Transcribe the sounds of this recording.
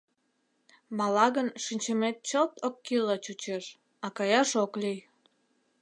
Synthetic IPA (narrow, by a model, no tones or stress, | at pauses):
mɑlɑɣənʃinʲt͡ɕəmet̪̚t͡ɕot̪okːilɑt͡ɕut͡ɕeʃ | ɑkɑjɑʃoklij